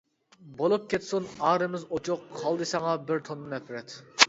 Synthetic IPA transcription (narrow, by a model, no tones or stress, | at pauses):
bolˠup̚kʲet̪sunɑːɾɨmɪzot͡ʃʰoqʰːɑlˠd̪ɨsɑŋɑbɪɾt̪ʰonːɨnɛpʰɾɛt̪